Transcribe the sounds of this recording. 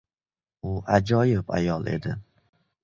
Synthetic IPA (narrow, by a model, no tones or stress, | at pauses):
ʊʔad͡ʒɒjɪpa̰jɒlˠe̞̰d̪ɪ